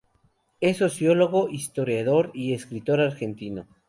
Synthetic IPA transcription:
e̞so̞sjolo̞ɣoʔist̪o̞ɾjaðo̞ɾie̞skɾit̪o̞ɾaɾxe̞nt̪ino

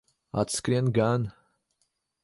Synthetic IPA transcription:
a̰t̪skɾʲenɡan

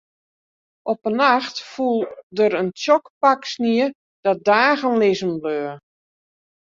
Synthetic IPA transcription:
ʔɔpənaxtfulˠdəɾəntjɔkpaksniə | d̥ɔdaːɣənlɪzəmbløː

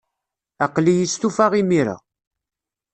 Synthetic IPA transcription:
æqlijist̪ufaʁimiɾa̰

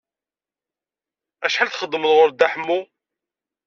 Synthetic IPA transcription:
æʃħalθχəd̪ːməlʁʊɾd̪aħmːu

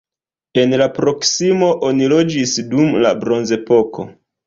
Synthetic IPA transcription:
e̞nlapɾo̞ksimo̞ʔo̞nilo̞d͡ʒisdumla̰bɾo̞nze̞po̞ko̞̰

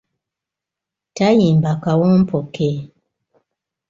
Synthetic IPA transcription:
tajimbakawɔm̩pʰɔkɛ

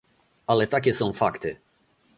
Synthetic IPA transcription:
alɛt̪ak̬ʲɛsɔ̃w̃fakt̪ɘ

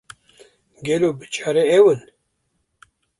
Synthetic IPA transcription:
ɡelobɨt͡ʃʰaɾeewɨn

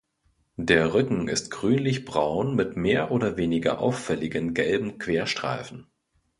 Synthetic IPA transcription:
d̥eːɐʁʏkŋ̩ɪ̰stɡ̥ʁyːnlɪçb̥ʁaʊnmɪtmeːɐʔoːɾɐveːnɪɡɐ̰ʔa̰ʊfɛlɪɡənɡɛlbm̩kʰv̥eːɐʃtʁ̥a̰ɪfn̩

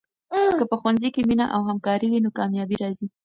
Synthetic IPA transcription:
kəpəxwanzikeminaʔawɦamkɑɾiwinokɑmjɑbiɾɑzi

